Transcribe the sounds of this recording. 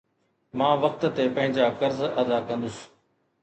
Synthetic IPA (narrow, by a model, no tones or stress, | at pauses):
mãːʋɐk̚t̪t̪epɐ̃ɦɪ̃ɲd͡ʑaːkɐɾzɐd̪akɐ̃nd̪ʊs